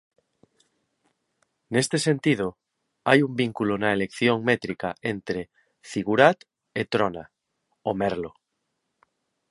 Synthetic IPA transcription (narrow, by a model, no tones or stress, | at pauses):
nest̪esent̪ið̞ʊ | ajumbiŋkulʊnɐelekθjoŋmɛt̪ɾikaent̪ɾe | θiɣuɾat̪ | et̪ɾona̰ | omɛɾlo